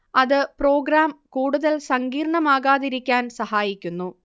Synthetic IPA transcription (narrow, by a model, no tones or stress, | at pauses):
ɐðɨpro̞ːɡɾaːmkuːɽuðɐlsɐŋɡiːɾɳɐmaːɣaːðiɾikʲːaːnsɐhaːjikʲːunːu